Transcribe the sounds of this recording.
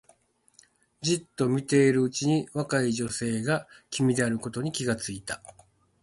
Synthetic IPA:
d͡ʑit̪ːo̞mʲit̪e̞ːɾɯ̟ɯt͡ɕiɲ̟iβakaiʑo̞se̞ːɡakʲimʲid̪e̞aɾɯ̟ko̞t̪o̞ɲ̟ikʲiɡat͡sɨit̪ḁ

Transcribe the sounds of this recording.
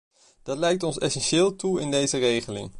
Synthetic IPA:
d̥ɑtlɛjk̚tɔnsɛsɛnʃɪːlˠtuɪndejzərejχəlɪ̰ŋ

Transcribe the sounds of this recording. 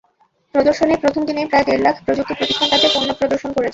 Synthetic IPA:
pɾod̪oɾʃonepɾot̪ʰomd̪inepɾaed̪eɾlakʰpɾod͡ʑuk̚t̪opɾot̪iʃʈʰːaŋkad̪ʰeponːopɾod̪oɾʃonkoɾet͡ɕʰen

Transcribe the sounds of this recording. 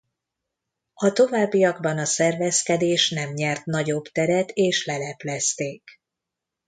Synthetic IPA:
ɒt̪o̞vaːbːijɒɡbɒnɒsɛrvɛskɛd̪eːʃnɛmɲɛrt̪nɒɟo̞bt̪ɛɾɛt̪eːʃlɛlɛplɛst̪eːk

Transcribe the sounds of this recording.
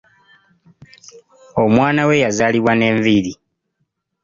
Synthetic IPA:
o̞mwaːnawe̞jazaːliβwane̞ːɱviɾi

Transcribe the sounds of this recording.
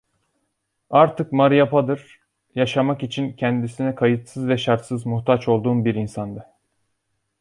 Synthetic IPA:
aɾt̪ʰɯkmaɾjapʰad̪ɯɾ̥ | jaʃamakit͡ʃʰincʰɛnd̪isinɛkʰajɯt̪sɯzvɛʃaɾt̪sɯzmuxt̪ʰat͡ʃo̞lˠd̪uːnbiɾinsand̪a

